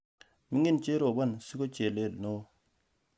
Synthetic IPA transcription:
mi˦ŋi˦nt͡ʃe˦ɾo˨ba˦˨nsi˦ko˦t͡ʃe˨le˦˨lno˦

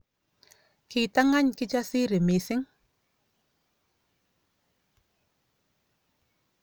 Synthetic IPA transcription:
kɪ˨t̪a˦ŋa˦ɲkɪ˦t͡ʃa˦sɪ˦ɾɪ˨mɪ˨sɪ˦ŋ

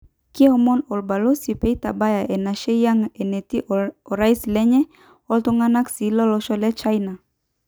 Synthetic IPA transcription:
ki˦ɔ˦mɔ˦nɔ˨lba˨lo˦si˨pe˦i˦ta̰˨ba˦ja˨ʔɛ˨na˨ʃe˦ja˦ŋɛ˨ne˨ti˦ʔɔ˨ɾa˦islɛ˦ɲɛ˦ | ɔ˦lto˦ŋa˦na˦ksi˨˦lɔ˦lɔ˦ʃɔ˦lɛ˦t͡ʃa˦jna˨

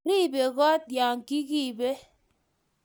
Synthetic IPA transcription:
ɾi˦˨be˨kɔ˦t̚dja˨ŋ̩˨ki˦ki˦˨be˦

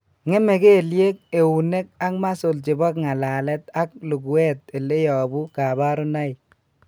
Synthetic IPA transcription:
ŋe˦me˨ke˦˨lje˦k̚e˨wu˨ne˦k̚a˦kma˦so˨lt͡ʃɪ˨bɔ˦kŋa˨la˨lɛ˦t̪a˦k̚lu˨ku˨wɛ˦t̚e˨le˦jɔ˨bu˦ka˨ba˦ɾu˦na˦j

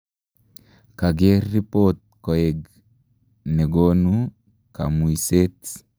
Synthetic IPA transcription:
ka˨ɡe˦rːi˦pot̪̚ko˨e˨ɡ | ne˨ɡo˦nu | ka̰˨mu˨iset

